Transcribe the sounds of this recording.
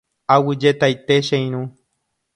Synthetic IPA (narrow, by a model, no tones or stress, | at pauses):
awid͡ʒet̪ajt̪eʃej̃ñũ